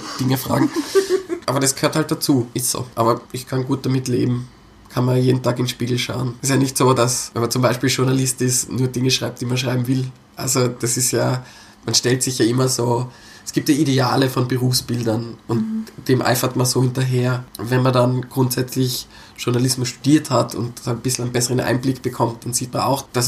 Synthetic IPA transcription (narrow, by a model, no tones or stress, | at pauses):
d̥ɪŋəfʁ̥a̰ːɡŋ̩ | ʔa̰ːbɐɾasɡ̥ə̥høːɐthalt̚d̥at͡suːʔɪstz̥o̰ːʔaːbɐʔɪçkʰanɡuːt̚d̥amɪtlḛːbm̩ | kʰanmɐjeːdn̩tʰaːkɪnʃpiːɡl̩ʃaʊnstjaːnɪçtsoːdasvɛnmɐnt͡sʊmbaɪʃpiːlʃʊɐnalɪstɪsnuːɐdɪŋəʃʁ̥aɪp̚td̥iːmanʃʁaɪbm̩vɪl | ʔa̰lzod̥asɪstjaː | manʃtɛltz̥ɪçjaːʔɪmɐzoː | ɛsɡ̥iːp̚tjaːʔideaːləfɔnbəʁuːfsb̥ɪldɐnʊntd̥eːmʔa̰ɪfɐtmanzoːhɪntɐɦeːɐvɛnmɐndanɡ̥ʁʊntz̥ɛt͡slɪç | ʃʊɐnalɪsmʊstu̥d̥iːɐthatʰʊ̰ntːanb̥ɪsl̩ɛnbɛsəʁənʔa̰ɪnblɪkb̥əkʰɔmt̚d̥anziːtmana̰ʊxd̥as